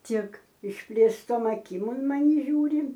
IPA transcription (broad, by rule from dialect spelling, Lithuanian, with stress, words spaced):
ˈtʲɪk ɪʃʲpʲlʲeːsˈtoːm ɐˈkʲɪm ʊn mɐˈnʲɪ ˈʒʲuːrʲɪ